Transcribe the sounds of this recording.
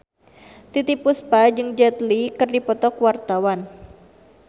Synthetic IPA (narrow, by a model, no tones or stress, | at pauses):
sit̪ipuspad͡ʒɨŋd͡ʒat̪likɨrdipɔt̪ɔkwart̪awan